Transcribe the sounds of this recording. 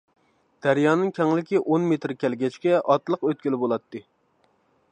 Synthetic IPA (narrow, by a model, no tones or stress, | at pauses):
d̪̥æɾjɑːnɨŋkʲʰɛŋlɪkʲiʔonmet̪ɾkʲɛlɡʲɛt͡ʃkʲɛʔɑt̪lˠəqøt̪̚kʲilɪbolˠɑt̪ːɨ